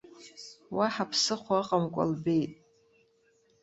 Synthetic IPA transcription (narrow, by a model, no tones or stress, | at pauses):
waħapʰsɨχʷaqʼamkʷʼa̰lbe̞jtʼ